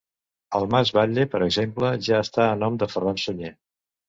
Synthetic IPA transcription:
əlˠmazβaʎːepəɾəɡzempləʒaəst̪aənɔmd̪əfərnansuɲe

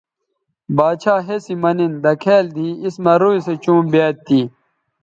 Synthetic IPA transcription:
baːt͡ɕʰaːɦesimɐnind̪ɐkʰeːld̪ʱĩːismɐɾuːiset͡ɕũːmbeːt̪ːiː

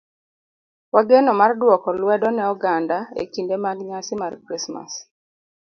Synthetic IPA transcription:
waɡenɔmardwɔkɔlwɛdɔnɛɔɡandaḛkindemaɡɲasɪmarkɾisma̰s

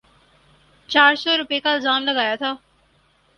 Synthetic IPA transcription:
t͡ʃaːɾsɔːɾʊpeːkaːɪlzaːmləɡaːjat̪ʰaː

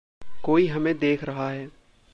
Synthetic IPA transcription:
koːiɦɐmẽd̪eːkʰɾɐɦaɦɛː

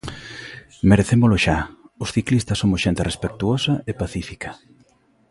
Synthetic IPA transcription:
meɾeθemʊlʊʃaʊsθiklist̪ɐsomʊsʃent̪erespek̚t̪uosɐepaθifikʰɐ̥

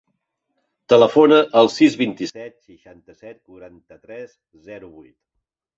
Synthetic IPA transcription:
t̪ələfonəʔəlˠsizβint̪isɛt̪səʃant̪əsɛt̪̚kuɾant̪ət̪ɾɛz | zɛɾuβujt̪

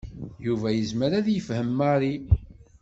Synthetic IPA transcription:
juvæjəzməɾæðjəfhəmːaɾˤi

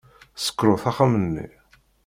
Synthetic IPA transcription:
sə̥kːɾoθaχamənːḭ

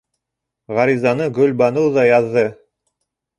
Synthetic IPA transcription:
ʁɑɾizɑnɤɡɵlʲbɑnɤwðɑjɑðːɤ

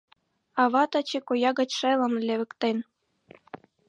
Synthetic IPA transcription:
ɑβɑt̪ɑt͡ɕekojɑɣɑt͡ɕʂelɤ̆nlʲĕβɘ̆kt̪en

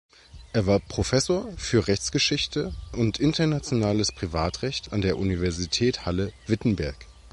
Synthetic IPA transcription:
ʔeːɐvaːɐpʁ̥ofɛsoːɐfyːɐʁɛçt͡sɡ̥əʃɪçtʰəʔʊntʔɪntɐnat͡sjonaːləspʁ̥ivaːtʁ̥ɛçtandeːɐʔunivɛɐzitʰɛːthaləvɪtn̩bɛɐk

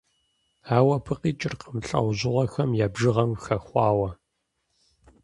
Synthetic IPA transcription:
aːwɐpʰɨqiːt͡ʃʼɪrqəmɬʼɐ̰wʑɪʁʷɔxɐmjaːbʒɨʁɐmxɐxʷɑːwɐ

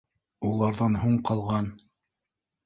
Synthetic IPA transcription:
ulˠɑɾðɑnɦuɴqɑlˠʁɑn

